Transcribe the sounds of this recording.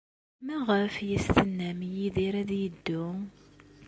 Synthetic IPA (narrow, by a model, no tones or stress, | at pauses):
mæʁəfjəst̪ənːæmjiðiɾæðjəd̪ːʊ